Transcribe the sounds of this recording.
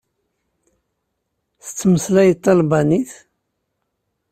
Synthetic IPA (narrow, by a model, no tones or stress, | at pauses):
θə̥t͡sːməslæjət̪ˤːɑlbɑniθ